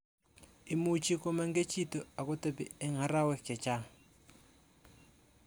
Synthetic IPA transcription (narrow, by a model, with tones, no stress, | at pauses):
i˨mu˨t͡ʃi˦kɔ˦ma˦ŋɡe˦t͡ʃʰi˦tɔ˨a˨kɔ˦te˦pḭ˨ɛ˦ŋa˨˦ɾa˦wɛ˦˨kɛ˨t͡ʃa˦